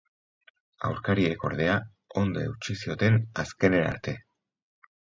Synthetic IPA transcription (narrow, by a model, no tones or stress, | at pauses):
a̰wɾkaɾieko̞̰ɾðe̞a | o̞nd̪oḛwt͡ʃisio̞t̪e̞naske̞ne̞na̰ɾt̪e̞